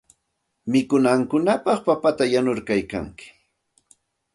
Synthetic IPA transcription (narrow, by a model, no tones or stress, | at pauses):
mɪkʊnaŋkʊnapɑχpapat̪ajanʊɾkajka̰ŋkɪ̥